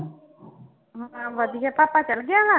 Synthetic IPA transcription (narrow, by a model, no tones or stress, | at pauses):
ɦãʋəd̪ʱijapaːpat͡ʃɐlɡɪjaɡa